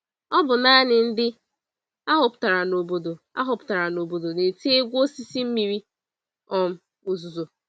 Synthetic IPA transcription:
ɔ˦bʊ˨na˦nɪ˨n̩˦dɪ˦ | a˦ɦʊ˨pʊ˨ta˨ɾa˨no˨bo˦do˨ | a̰˦ɦʊ˨pʊ̥˨ta˨ɾa˨no˨bo˨do˨ne˨te˦e˦ɡʷo˦si˦si˦m̩˦mi˨ɾi˦ | ɔ˨m̩˦ | o˨zu˨zo˨

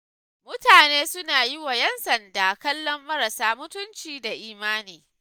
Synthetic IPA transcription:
mʊ˦taː˨neː˦sʊ˦naː˨jɪ˦wa˨jɛ˦nsɐ˨ndaː˨kɐ˦lːɔ˦mːɐ˦ɾɐ˨saː˦mʊ˦tʊ˦nt͡ʃiː˨da˨ʔiː˨˦maː˦niː˨

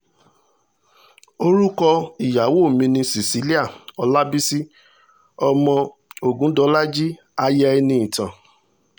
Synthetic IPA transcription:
o˦ɾu˦kɔ˧i˨ja˨˦wo˦˨mĩ˧nĩ˧si˨si˨˦li˦a˦˨ɔ˧la˦bi˦si˦ | ɔ˧mɔ̃˧ | o˨ɡũ˦dɔ˨˦la˦d͡ʒi˦ | a˧jɛ˦ɛ˧nĩ˧˦ĩ˨tã˨

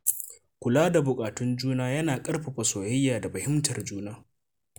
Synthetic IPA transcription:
kʷʊ˨laː˦da˨bʊ˨kʼaː˨tʊ˦nd͡ʒuː˦naː˦jɐ˦naː˨kʼɐ˦rɸa˨ɸɐ˨soː˨jɐ˦jːaː˨da˨ɸɐ˨hɪ˦mtʰɐ˨rd͡ʒuː˦naː˦

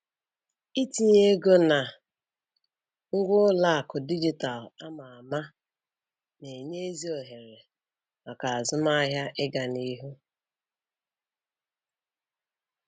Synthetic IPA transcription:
i˦ti˨ɲe˦ɡo˦na˨ | ʊ˦ɡʷʊ˦la˦a˨kʊ˨di˦d͡ʒi˨ta˨la˦ma˨a˨ma˦ | ne˨ɲe˦e˦zi˦o˨ɦe˨ɾe˨ | ma˨ka˨a˨zʊ˦ma˦ɦja˦ʔɪ˦ɡa˨ni˦ɦu˦

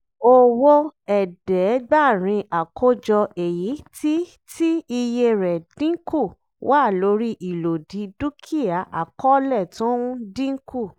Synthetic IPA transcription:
o˦wo˦ɛ˨dɛ˨˦ɡ͡ba˦˨ɾ̃ĩ˧ʔa˨kʰo˦d͡ʒɔ˧e˨ji˨˦ti˦ | ti˦i˧je˧ɾɛ˨d̥ĩ˦ku˦˨ | wa˦˨lo˨˦ɾi˦ʔi˨lo˨dĩ˨˦du˦kʰi˦ja˨ʔa˨kɔ˦lɛ˦˨tũ˨˦ũ˦dĩ˦ŋ̩˦ku˦˨

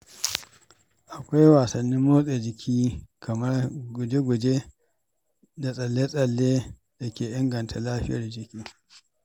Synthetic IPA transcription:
ʔa˨kʷa˦jwaː˨sɐ˨nːi˦mːoː˦sʼe˨d͡ʒɪ˨kʲʰiː˦kɐ˨mɐ˦rɡʊ˨d͡ʒe˦ɡʷʊ˨d͡ʒe˦ | da˨sʼɐ˨lːeː˦sʼɐ˨lːeː˦ | da˨kʲeː˨ʔɪ˦ŋɡɐ˨ntʰa˨laː˦ɸɪ̰˦jɐ˨rd͡ʒɪ˨kʲiː˦

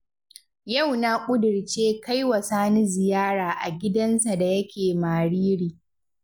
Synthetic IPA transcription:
ja˦˨wna˦kʷʼʊ˦dʊ˨ɽt͡ʃeː˦ka˦jwɐ˨saː˦ni˦zɪ˨jaː˦ɽaː˨ʔa˨ɡʲɪ˦dɐ˦nsa˨da˨jɐ˦kʲʰeː˨maː˨ɽiː˦ɽiː˨

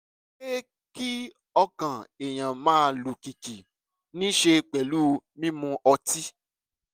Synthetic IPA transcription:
e˦ | ki˦ | ɔ˧kã˨e˨j̃ã˨mãː˦˧lu˨ki˨ki˨ | nĩ˦ʃe˧k͡pɛ˨lu˦˧mĩ˦mũ˧ʔɔ˧ti˦

